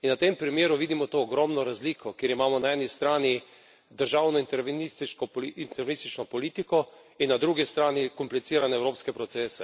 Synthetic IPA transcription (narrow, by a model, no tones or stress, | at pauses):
inʋat̪empɾimjeːɾuʋiːd̪imɔt̪oːɡɾɔːmnɔɾazliːkʰɔkeːɾimaːmɔnaɛːnist̪ɾaːni | d̪əɾʒaːwnɔint̪ɛɾʋnist̪it͡ʃkɔpiint̪ɛɾʋenist̪it͡ʃnɔpɔliːt̪ikɔ | inːad̪ɾuːɡist̪ɾaːnikɔmplit̪siːɾanɛːwɾoːpskɛpɾɔt̪seːsɛ